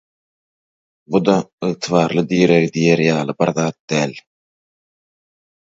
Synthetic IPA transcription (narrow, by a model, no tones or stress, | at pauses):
bud̪ɑɯʁt̪ʰɨβɑːɾlˠɯd̪ijeɾeɣid̪ijeɾjɑːlˠɯbɪɾðɑːt̪̚d̪æːl